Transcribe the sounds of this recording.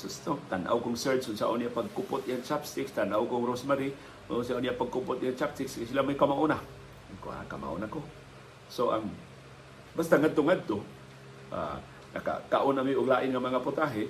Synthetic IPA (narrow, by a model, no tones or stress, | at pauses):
sʊst̪ot̪anʔa̰wkʊŋsəɹsʊnsa̰ʔʊnijapaɡ̚kʊpʊt̪ʔijaŋt͡ʃapst̪ɪkst̪anʔawkʊŋɾosmaɾi | ʊnʊnsiaʔʊnijapaɡ̚kupʊt̪ʔijaŋt͡ʃap̚t̪ɪkskajsilamajkamaʔʊna | ko̰a̰a̰ka̰ma̰ʔṵnako | soʔa̰ŋ | bast̪aŋad̪̚t̪ʊŋad̪̚t̪o | ʔa̰ | na̰ka̰kaʔʊnamiʔʊɡlaːʔɪnŋamaŋapʊt̪aɦɪ